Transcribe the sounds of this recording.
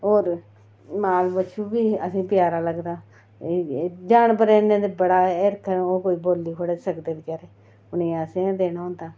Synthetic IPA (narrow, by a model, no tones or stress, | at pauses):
oːɾ | maːlbət͡ʃʰuːbiːəsĩːpjaːɾaːləɡd̪aː | d͡ʒaːɳpəɾẽːnẽːd̪ebəɽaːeɾkʰəoːkoːiːboːliːkʰoɽesəkd̪eːlkəɾeː | ʊnẽːasẽãd̪eːnaːõːnd̪aː